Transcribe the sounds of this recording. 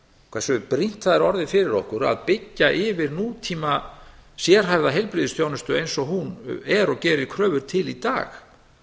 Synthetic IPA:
kʰvɛsʏpɾin̥t̪aðɪɾɔɾðɪfɪɾɪɾɔhkʏɾa̰ðpɪcːaʔɪvɪɾnuːt̪ʰiːmasjɛɾ̥ɦajvðaɦejlpɾɪːðɪst̪ʰjoːwnʏst̪ʏejnsɔɦunɛɾɔɣcɛːɾɪkʰɾœːvʏɾ̥t̪ʰɪlit̪a̰ːx

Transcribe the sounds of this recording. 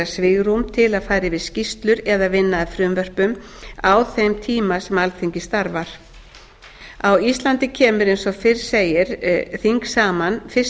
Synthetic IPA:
asvɪɣɾumt̪ʰɪlaðfaːjɾɪvɪðscist̪lʏɾɛðavɪnːaafɾʏmvœr̥pʏm | awθejmt̪ʰiːmasɛmalθiɲcɪst̪aɾvaɾ̥ | awist̪lant̪ɪcʰɛːmʏɾejnsɔfɪr̥seːjɪɾ̥θiŋksaːmanfɪs

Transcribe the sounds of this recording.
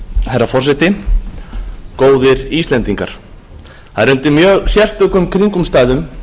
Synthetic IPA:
hɛjɾːafɔrsɛt̪ɪ | koːwðɪɾist̪lɛnt̪iŋka̰ɾ̥ | θhaðɾʏnt̪ɪmjœːɣsjɛl̥t̪ʏkʏmkʰɾiŋkʏmst̪aːjðʏm

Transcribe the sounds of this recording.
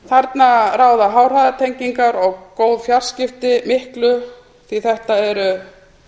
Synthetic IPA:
θaɾt̪naraːwðaɦaːwr̥aðat̪ʰejɲciŋkaɾɔɣkoːwðfjaɾ̥scɪft̪ɪmɪhklʏ | θiθɛht̪aɛɾʏ

